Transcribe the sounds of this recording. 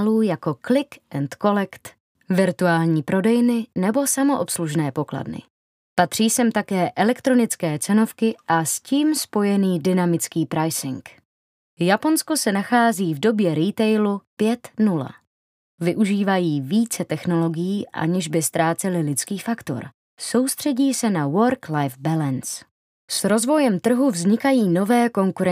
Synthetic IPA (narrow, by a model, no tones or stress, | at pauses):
luːjako̞klɪkʔɛnt̪ko̞lɛkt̪ | vɪɾt̪uaːlɲiːpɾo̞dɛjnɪnɛbo̞samo̞ʔopsluʒnɛːpo̞kla̰dnɪ̰ | pat̪r̝̥iːsɛmt̪akɛːʔɛlɛkt̪ɾo̞nɪt͡skɛːt͡sɛno̞fkɪʔasciːmspo̞jɛniːdɪnamɪt͡skiːpɾajsɪŋk | japo̞nsko̞sɛnaxaːziːvdo̞bjɛɾit̪ɛjlupjɛt̪nula̰ | vɪʔuʒiːvajiːviːt͡sɛt̪ɛxno̞lo̞ɡɪjiːʔa̰ɲɛʒbɪst̪ɾaːt͡sɛlɪlɪt͡skiːfakt̪o̞̰ɾ | so̞wst̪r̝̥ɛɟiːsɛnawoɾklajfbalɛns | sɾo̞zvo̞jɛmt̪r̩ɦuvzɲɪkajiːno̞vɛːko̞ŋkuɾɛ